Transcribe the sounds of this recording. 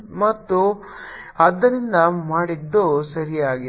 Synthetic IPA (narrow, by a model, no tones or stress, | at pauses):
mɐt̪ːu | ɐd̪ːɐnind̪ɐmaːɽid̪ːosɐɾijaːɡ